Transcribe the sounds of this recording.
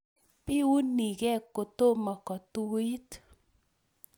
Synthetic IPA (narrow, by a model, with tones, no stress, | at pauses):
pɪ˦u˦ni˨ɡɛ˦ko˨t̪o˦ma˨kɔ˨tu˦i˦t